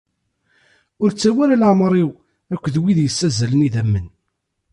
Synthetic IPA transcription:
ʊɾt͡sːæwælælʕmɾˤiw | ækʷːðwiðjəsːæzæləniðæmːən

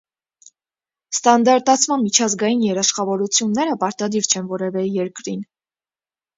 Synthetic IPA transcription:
st̪ɑnd̪ɑɾt̪ɑt͡sʰmɑnmit͡ʃʰɑzɡɑjinjɛɾɑʃχɑvɔɾut͡sʰjunːɛɾəpɑɾt̪ɑd̪iɾt͡ʃʰɛnvɔɾɛvɛjɛɾkɾin

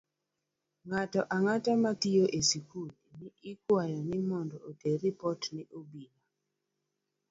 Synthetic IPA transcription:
ŋatɔʔaŋatamatijoʔesikulinɪɪkwajɔnɪmɔndɔoteɾipɔtnɪʔobila

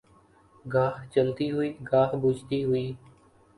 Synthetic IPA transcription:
ɡaːft͡ʃəlt̪iːɦʊiːɡaːfbut͡ʃt̪iːɦʊiː

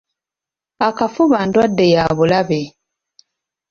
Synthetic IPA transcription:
akafuβaːndwadːe̞jaːβulaβe

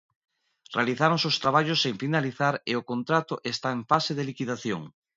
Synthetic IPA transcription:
realiθaɾõŋsost̪ɾaβ̞aʎosːẽɱfinaliθaɾeokont̪ɾat̪ʊʔest̪aẽɱfaseðelikiðaθjo̰ŋ

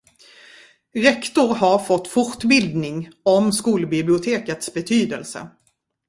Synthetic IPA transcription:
ɾɛkt̪ʊɾɦaɾfɔt̪ːfɔʈbɪld̪nɪŋɔmskuːlbɪblɪʊt̪ʰeːkət̪sbɛt̪ʰyːd̪ə̰lsə̰

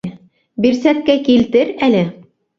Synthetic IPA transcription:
biɾsæt̚kækilt̪ɘɾælɘ

